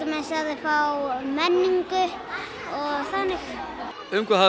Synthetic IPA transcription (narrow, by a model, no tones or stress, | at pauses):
sɛmɛnsaðɪfawmɛnːiŋkʏ | ɔɣθanɪx | ʏmkʰvɛha